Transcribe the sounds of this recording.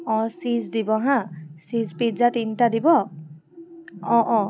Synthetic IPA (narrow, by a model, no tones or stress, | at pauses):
ɔ̃sizdibɔɦãsizpizatintadibɔ | ɔ̃ʔɔ̃